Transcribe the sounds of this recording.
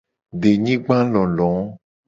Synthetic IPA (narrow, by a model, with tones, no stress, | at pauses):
ɖe˨ɲĩ˦ɡ͡bã˦lɔ̃˨lɔ̃˨˦